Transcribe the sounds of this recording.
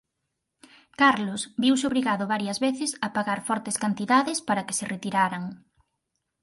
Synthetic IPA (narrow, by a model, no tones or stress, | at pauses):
kaɾlosbiwsɪoβɾiɣaðʊβaɾjɐzβeθɪsɐpaɣaɾfɔɾt̪eskant̪iðaðɪspaɾɐke̥serʔet̪iɾaɾaŋ